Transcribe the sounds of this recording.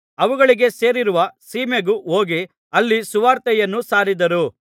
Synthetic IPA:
ɐʋuɡɐɭiɡe̞se̞ːɾiɾuʋɐsiːmeɡuo̞ːɡi | ɐlːisuʋaːɾt̪ɛjɐnːusaːɾid̪ɐɾu

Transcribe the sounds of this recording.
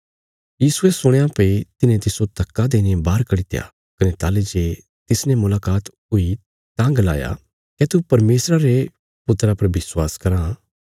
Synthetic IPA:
jiːsʊesʊɽ̃eãpɐit̪ɪnẽt̪ɪsot̪ɐkːad̪eːnebaːɾkɐɽɪt̪eja̰ | kɐnet̪aːled͡ʒe | t̪ɪsnɛ̃mʊlaːkaːt̪ | ʊi | t̪ãɡɐla̰ːja̰ | kɛt̪upɐɾmeːsɾaɾe | pʊt̪ːɾapɐɾbɪswaːskɐɾã

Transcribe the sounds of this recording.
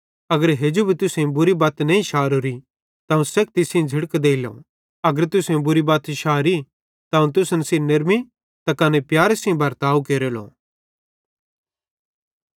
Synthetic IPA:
ɐɡəɾɦeːd͡ʒubʱit̪ʊsẽbʊɾibaːt̪nɐĩʃaːɾoɾi | t̪aũsɛːk̚ʰt̪ɪsĩd͡zʱɪɽkd̪eːilõ̰ | ɐɡəɾt̪ʊsẽbʊɾibaːt̪ʃaːɾi | t̪aːũt̪ʊsnɐsiːnɐɾmi | t̪akɐnepjaːɾesĩbʱɐɾt̪aːukeːɾelõ̰ː

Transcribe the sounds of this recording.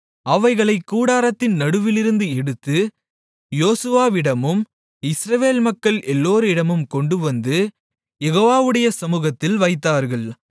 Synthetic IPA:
ɐʋɐɪɣɐɭɐɪkːuːɽaːɾɐt̪ːɪnnɐɽɯʋɪlɪɾɯnd̪ɯɛɽɯt̪ːɯ | joːsɯʋaːʋɪɽɐmɯm | ɪsɾɐʋeːlmɐkːɐɭɛlːoːɾɯɪɽɐmɯmkɔɳɖɯʋɐnd̪ɯ | jɛɣoːʋaːʋɯɽɐjɐsɐmuːɣɐt̪ːɪlʋɐɪt̪ːaːɾɣɐɭ

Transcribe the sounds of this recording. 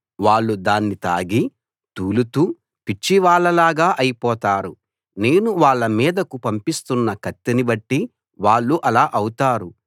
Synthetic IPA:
ʋaːɭːud̪aːnːit̪aːɡi | t̪uːlut̪uː | pit͡ʃːiʋaːɭːɐlaːɡaːʔɐjipɔːt̪aːɾu | ne̞ːnuʋaːɭːɐmiːd̪ɐkupɐmpist̪unːɐkɐt̪ːinibɐʈːi | ʋaːɭːuʔɐlaːʔɐwut̪aːɾu

